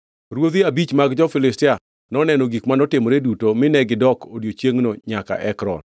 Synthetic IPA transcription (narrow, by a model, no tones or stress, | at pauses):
ɾwoðiabit͡ʃmaɡd͡ʒɔfɪlɪstɪa | nɔnɛnɔɡikmanɔtɪmoɾedutomɪnɛɡɪdɔkodjot͡ʃjeŋnoɲaka̰ʔɛkɾɔ̰n